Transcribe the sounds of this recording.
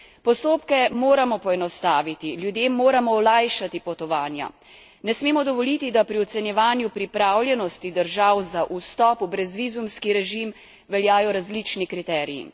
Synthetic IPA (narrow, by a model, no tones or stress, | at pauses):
pɔst̪oːpkɛmoːɾamɔpɔɛnɔst̪aːʋit̪iljud̪jeːmːoːɾamɔɔlajʃat̪ipɔt̪ɔʋaːnja̰ | nɛsmeːmɔd̪ɔʋɔlit̪id̪apɾiɔt̪sɛnjɛʋaːnjupɾipɾaːwlʲjɛnɔst̪id̪əɾʒawzaʔust̪ɔːpubɾɛzʋiːzumskiɾɛʒim | ʋɛljaːjɔɾazlit͡ʃnikɾit̪ɛːɾijḭ